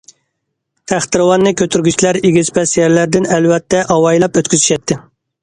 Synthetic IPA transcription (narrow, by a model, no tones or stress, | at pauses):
t̪ʰæχt̪ɨɾɨwɑnːɨkʲøt̪ʰyɾɡʲyt͡ʃʰlæɾeɡʲizpɛsjɛɾlæɾd̪ɪnɛlwɛt̪ʰːɛʔɑwɑjlˠɛpøt̪kʲyzyʃɛt̪ʰːɪ